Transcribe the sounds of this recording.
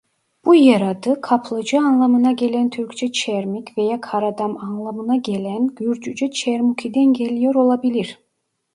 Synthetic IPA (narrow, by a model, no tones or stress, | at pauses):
b̥ujaɾad̪ɯkʰapʰlˠɯd͡ʒɯanlˠamɯnaɟʲe̞lʲænt̪ʰyɾkt͡ʃʰɛt͡ʃʰɛɾmikʲvejakʰaɾad̪amanlˠamɯnaɟelʲænɡyɾd͡ʒyd͡ʒɛt͡ʃʰɛɾmukʰid̪ɛnɟelʲijoɾo̞lˠabilʲiɾ